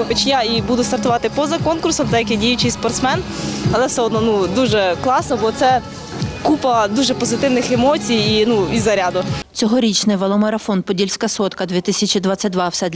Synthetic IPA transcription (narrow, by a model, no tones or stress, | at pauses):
xɔt͡ʃjaibud̪ʊst̪ɐrt̪ʊʋɑt̪ɪpɔzɐkɔnkʊrsɔmd̪ɛjɐkɛdʲijʊt͡ʃɪjspɔrt̪smɛnɐlˠɛsɛɔd̪nɔnud̪uʒɛklˠɑsnɔbɔt̪sɛ | kupɐd̪uʒɛpɔzɪt̪ɪwnɪxɛmɔt͡sʲijinuizɐɾʲad̪ʊt͡sʲɔɦɔɾʲit͡ʃnɪjʋɐlˠɔmɐɾɐfɔnpɔdʲilʲsʲkɐsɔt̪kɐd̪ʲʋʲit̪ɪsʲɐt͡ʃid̪ʋɑt͡sʲːɐt̚ʲd̪ʋɑwsɛd̪